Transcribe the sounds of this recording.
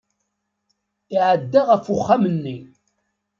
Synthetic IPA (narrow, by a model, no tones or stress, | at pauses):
iʕəd̪ːaʁəfʊχːamənːi